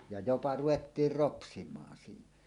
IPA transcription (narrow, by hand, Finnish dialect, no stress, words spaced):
jɑ jopɑ ruʋetːiːr ropsimˑɑːn siːnæ̥